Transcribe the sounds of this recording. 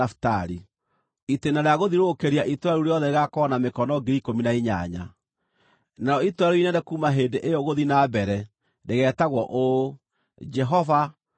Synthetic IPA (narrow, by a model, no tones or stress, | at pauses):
afu̥taɾi | itenaɾeaɣoðiɾoːkeɾiaʔitwaɾuɾejɔðɛeɣakɔnamekɔnɔɡiɾikominaiɲa̰ɲa̰ | naɾɔitwaɾuinɛdekuːmaɦendeʔejɔɣoðinaːbɛɾɛ | ndeɣɛːtaɣwɔʔo | d͡ʒɛɦɔva